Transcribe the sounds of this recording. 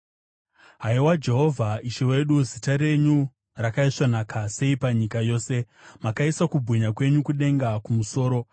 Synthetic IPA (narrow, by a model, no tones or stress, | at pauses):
ɦaiwad͡ʒe̞ɦo̞vʱaiʃewe̞ɗuzitaɾe̞ɲu | rakaiʂanakase̞ipaɲikajo̞ːse̞ | makaisakubʱuɲakwe̞ɲukuɗe̞ŋɡakumuso̞ːɾo̞